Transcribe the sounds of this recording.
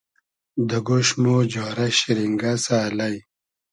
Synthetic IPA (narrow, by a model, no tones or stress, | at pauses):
d̪ɐɡoɕnoːd͡ʑoːɾɐɕiɾiŋɡasaːlaj